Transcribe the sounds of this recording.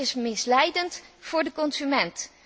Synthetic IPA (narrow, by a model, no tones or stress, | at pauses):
ɪsmɪslɛjdəntfʊːɹdəkɔnzymɛnt